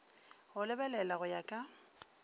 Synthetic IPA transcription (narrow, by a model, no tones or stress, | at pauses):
ɣʊlɪbɛlɛlaɣʊjakʼa